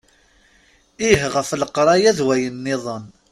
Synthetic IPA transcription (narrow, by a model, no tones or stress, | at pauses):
iɦʁəfləqɾˤɑjæðwæjənːɪðˤən